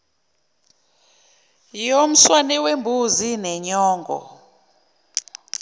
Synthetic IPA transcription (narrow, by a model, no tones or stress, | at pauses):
jom̩swanɛwembʱuzinɛɲɔːŋɡʱɔ̰